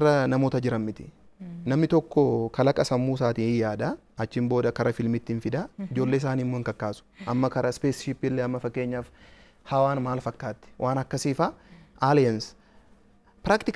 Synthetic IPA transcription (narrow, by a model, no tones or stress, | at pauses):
rɐnɐmoːt̪ɐd͡ʒɪɾɐmmɪt̪ɪ̥ | nɐmnɪt̪ɔkːɔkɐlɐkʼɐsɐmːuːsaːt̪iːnɪjaːd̪ɐ | ɐt͡ʃːɪmbo̞ːd̪ɐkɐɾɐfɪlmɪt̪ːɪnfɪd̪ɐɪd͡ʒo̞ːlːeːɪs̬aːnimːɔɪŋkɐkːaːsʊ̥ʔɐmːɐkɐɾɐspeːsʃɪpːɪlːeɐmːɐfɐkːe̞ːɲːaːf | hɐwaːnmaːlfɐkːaːt̪ːɪ̥wʔaːnɐkːɐsiːfɐʔaːljɐns | pɾaːkt̪ɪk